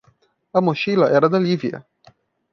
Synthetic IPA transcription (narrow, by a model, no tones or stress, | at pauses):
amoʃilaʔɛɾad̪alʲivia̰